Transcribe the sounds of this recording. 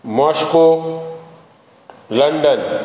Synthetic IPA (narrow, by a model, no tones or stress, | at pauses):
maːʃko | lɐɳɖən